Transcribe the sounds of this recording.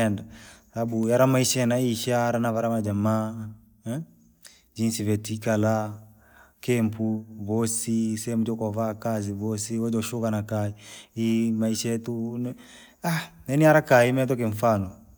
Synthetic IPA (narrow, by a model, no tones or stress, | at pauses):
ɛndasabujaɾamaiʃanaiiʃaɾanavaɾamad͡ʒamaː | d͡ʒinsivɛtikala | kɛmpuβɔsisɛm̩ud͡ʒɔkɔvakaziβɔsiwɔd͡ʒɔʃukanakaiimaiʃatunɛ | aɛniaɾakaimɛt̬ɔk̬ɛɱ̩fanɔ